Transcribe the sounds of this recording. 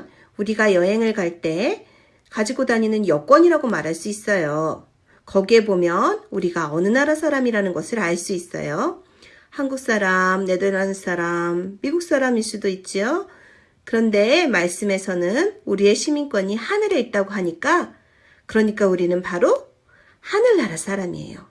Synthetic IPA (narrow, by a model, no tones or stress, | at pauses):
uɾiɡajʌɦe̞ŋɯɭkaɭt͈e̞ | kad͡ʑiɡodaɲinɯnjʌk͈wʌɲiɾaɡomaɾɦaɭs͈uis͈ʌjo | kʌɡie̞bomjʌnuɾiɡaʌnɯnaɾasʰaɾamiɾanɯnɡʌsʰɯɾaɭs͈uis͈ʌ̰jo | hanɡuk̚s͈aɾamne̞dɯans͈ʰaɾamːiɡuk̚s͈aɾamiɭs͈udoit̚t͡ɕ͈io | kɯɾʌnde̞maɭs͈ɯme̞sʰʌnɯnuɾie̞ɕʰimink͈wʌɲihanɯɾe̞it̚t͈aɡoɦaɲik͈a | kɯɾʌɲik͈auɾinɯnpaɾo | hanɯɭːaɾas͈ʰaɾamḭe̞̰jo̰